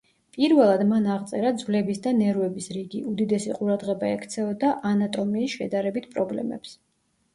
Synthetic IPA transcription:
pʼiɾvɛlˠad̪manaʁt̪sʼɛɾad̪zvlɛbisd̪anɛɾvɛbisɾiɡiʔud̪id̪ɛsḭqʼuɾad̪ʁɛbaɛkʰt̪sʰɛɔd̪aʔanat̪ʼɔmiːsʃɛ̰d̪aɾɛbit̪̚ʰpʼɾɔblɛ̰mɛ̰ps

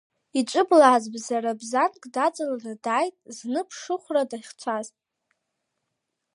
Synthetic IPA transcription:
it͡ʃʷʼɨblaːzbzaɾabzankʼdat͡sʼalaradaːjtʼznɨpʰʂɨχʷradaχʲt͡ʃʷʰaztʼ

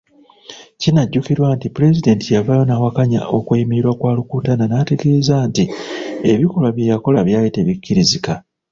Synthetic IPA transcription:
cinaɟːukiɾwaːntipuɾe̞zide̞ntijavajo̞nawakaɲa̰ʔo̞kweimiiɾwakwaːlukutananaːtekeezaːntie̞βikolwaβjejako̞laβjaːjite̞βikːiɾizika

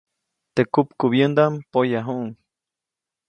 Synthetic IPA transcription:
t̪ekupkuβjend̪ampojaɦuʔŋ

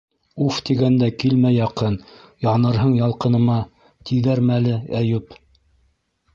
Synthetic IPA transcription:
uft̪iɡænd̪ækilmæjɑqɤn | jɑnɤ̆ɾɦɤɴjɑlˠqɤ̆nɤ̆mɑ | t̪iðæɾmælɘæjʉp

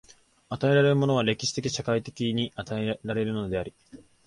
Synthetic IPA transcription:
at̪ae̞ɾaɾe̞ɾɯ̟mo̞no̞β̞aɾe̞kʲi̥ɕi̥t̪e̞kʲiɕakait̪e̞kʲiɲ̟iʔat̪aeɾaɾe̞ɾɯ̟no̞d̪e̞aɾʲi

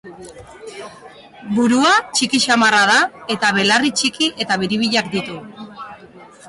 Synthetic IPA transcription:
buɾuat͡ʃikiʃamarað̞ae̞t̪aβ̞e̞larit͡ʃikiʔe̞t̪aβeɾiβ̞iʎakd̪it̪u

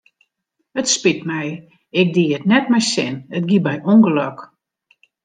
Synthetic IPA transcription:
ətspitmɛj | ɪk̚diətnɛtmɛjsɪnət̚ɡibɛjuŋɡəlɔk

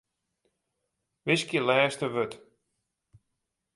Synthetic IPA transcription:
ʋɪskjəlɛːstəʋøt

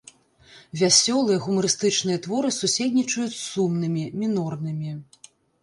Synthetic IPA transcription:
vʲasʲɔlˠɨjɛɣumɐɾɨst̪ɨt͡ʂnɨjɐt̪vɔɾɨsusʲed̪ʲnʲit͡ʂɐjut͡sʲsumnɨmʲimʲinɔrnɨmʲi

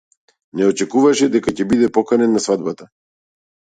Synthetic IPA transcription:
nɛɔt͡ʃɛkuvaʃɛd̪ɛkacɛbid̪ɛpɔkanɛnːasvad̪̚bat̪a

